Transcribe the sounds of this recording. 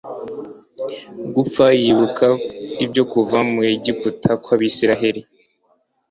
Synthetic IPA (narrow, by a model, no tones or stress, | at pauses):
ɡupp͡fajiβukʰaibɟo̞kuvamueɟiputʰakwaβisiɾaɦe̞ɾi